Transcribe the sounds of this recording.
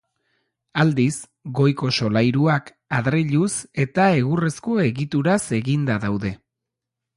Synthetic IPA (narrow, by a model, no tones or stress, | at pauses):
ald̪is | ɡo̞jko̞so̞lajɾuak | aðɾeʎuse̞t̪ae̞ɣure̞sko̞e̞ɣit̪uɾase̞ɣind̪aðawðe̞